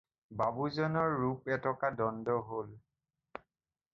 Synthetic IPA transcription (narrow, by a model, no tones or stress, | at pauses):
babuzɔnɔɹːupɛtɔkadɔndɔɦol